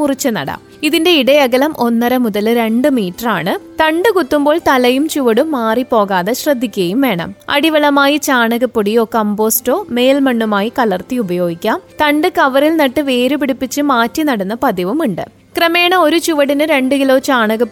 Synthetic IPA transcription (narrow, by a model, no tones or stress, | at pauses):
urit͡ɕːɨnɐ̰ɽɐ̰miðinde̞iɽɐjɐɣɐlɐmʔo̞nːɐɾɐmuðɐlɾe̞ɳɖɨmiːʈːɐraːɳɨt̪ɐɳɖɨkut̪ːumbo̞ːɭt̪ɐlɐjumt͡ɕuʋɐɽumːaːripːo̞ːɣaːðeɕrɐd̪ʱːikʲːuɐjumʋe̞ːɳɐ̰mɐ̰ɽiʋɐlɐmaːjit͡ɕaːɳɐɣɐpːuɽijo̞ːkɐmbo̞ːsto̞ːme̞ːlmɐɳːumaːjikɐlɐrt̪iubɐjo̞ːɡikʲːaːmt̪ɐɳɖɨkɐʋɐrilnɐʈːɨʋe̞ːɾupiɽipːit͡ɕːɨmaːtːinɐɽɐnːɐpɐðiʋumuɳɖɨ̰ | krɐme̞ːɳɐo̞ɾut͡ɕuʋɐɽinɨɾe̞ɳɖɨkilo̞ːt͡ɕaːɳɐɣɐp